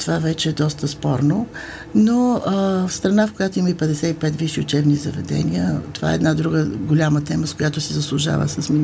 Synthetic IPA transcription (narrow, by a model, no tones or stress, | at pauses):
t̪ovavɛt͡ʃɛːd̪ɔst̪əspɔɾno | noəfst̪ɾɐnafkojat̪oiməipɛd̪ɛsɛipɛt̪viʃiʊt͡ʃɛbnizɐ̰vɛ̰d̪ɛ̰niət̪ova̰ɛ̰ɛd̪nad̪ɾuɡəɡolʲamət̪ɛməskojat̪osɛzəslˠʊʒa̰və̰səsmi